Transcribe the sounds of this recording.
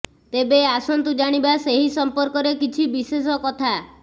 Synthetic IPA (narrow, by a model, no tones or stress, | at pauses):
t̪ebeasɔnt̪ud͡ʒaɽ̃ibaseɦisɔmpɔɾkɔɾekit͡ʃʰibises̬ɔkɔt̪ʰa